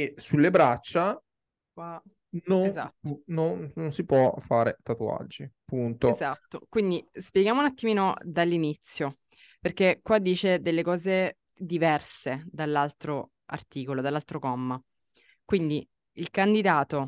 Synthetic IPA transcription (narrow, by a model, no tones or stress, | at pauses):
esulːebɾat͡ʃːa | kwa | noenzat̪nonːonsipwɔfaːɾet̪at̪ua̰d͡ʒːipunt̪ozat̪ːo̰kwind̪ispjeɡjaːmounat̪ːimiːnod̪alːinit̪sːjo | perkekwad̪ːiːt͡ʃed̪elːekɔːze | d̪ivɛrsed̪alːalt̪ɾo | a̰rt̪iːkolod̪alalt̪ɾokɔmːa | kwind̪i | ilkand̪id̪aːt̪o